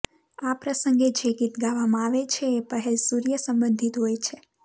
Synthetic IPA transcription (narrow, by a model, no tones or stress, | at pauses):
apɾəsəŋɡed͡ʒeɡit̪ɡaʋamãaʋet͡ʃʰeːpəɦɛlsuɾijəsəmbənd̪ʱit̪ɦojt͡ʃʰe